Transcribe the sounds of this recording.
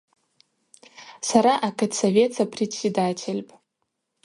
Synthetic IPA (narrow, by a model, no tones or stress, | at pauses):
saɾaʔakʰʼatsavʲe̞t͡sʰapʰretsʲedatʲʰelʲpʼ